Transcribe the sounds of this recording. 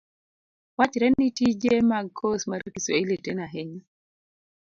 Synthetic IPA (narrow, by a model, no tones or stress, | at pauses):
wat͡ʃɾɛnːitid͡ʒemaɡkʰːɔsmaɾikiswailɛtɛnaɦɛɲa